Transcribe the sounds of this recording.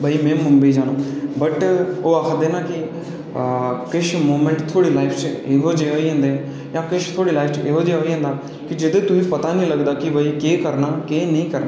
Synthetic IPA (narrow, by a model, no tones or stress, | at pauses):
bʱəiːmɛ̃ːmʊmbiːd͡ʒaːnoːbəʈoːaːkʰd̪eːnaːkɪ | kɪʃmoːmẽɳʈt̪ʰːoːɽiːlaːipʰt͡ʃeɦoːd͡ʒeːoːiːɦɛ̃ːnd̪e | jãːkɪʃt̪ʰoːɽiːlaːpʰt͡ʃʔeːɦoːd͡ʒeːoːiːɦɛ̃ːnd̪aː | kɪd͡ʒɪd̪eːt̪ʊĩːpət̪aːnĩːləɡd̪aːkɪbʱəiːkeːkəɾnaːkeːnĩːkəɾnaː